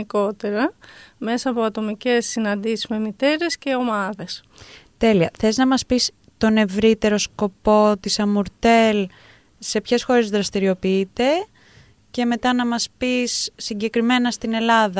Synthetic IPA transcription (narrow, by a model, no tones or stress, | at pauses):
iko̞t̪e̞ɾɐme̞sɐːpo̞ɐt̪o̞mice̞sːinɐnd̪isizme̞mit̪e̞ɾe̞sce̞o̞mɐðe̞s | t̪e̞liɐθe̞znɐmɐspis | t̪o̞ne̞vɾit̪e̞ɾo̞sko̞po̞t̪isɐmuɾt̪e̞l | se̞pçe̞sxo̞ɾe̞zðɾɐst̪iɾio̞piit̪e̞ | ce̞me̞t̪ɐnɐmɐspisːiɲɟe̞kɾime̞nɐst̪ine̞lɐðɐ